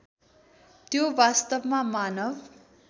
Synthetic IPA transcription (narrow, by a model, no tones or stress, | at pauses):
t̪jowast̪ʌbmamanʌb